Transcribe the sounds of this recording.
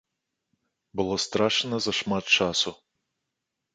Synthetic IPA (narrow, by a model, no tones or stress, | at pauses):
bɨlˠɔst̪ɾaʂɨnɐzɐʂmat̪̚t͡ʂasu